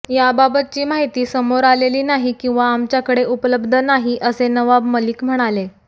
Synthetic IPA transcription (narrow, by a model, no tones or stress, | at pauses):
jababət̪̚t͡ɕiːmaɦit̪iːsəmoɾaleliːnaɦikĩw̃ʋaːmt͡ɕjakəɽeʔupləbd̪ʱənaɦiʔəsenəʋabməliːkm̤əɽ̃ale